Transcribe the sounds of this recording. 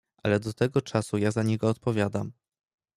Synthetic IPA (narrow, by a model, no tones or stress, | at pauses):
ʔalɛd̪ɔt̪ɛɡɔt͡ʂasujazaɲɛɡɔːt̪̚pɔvʲjad̪am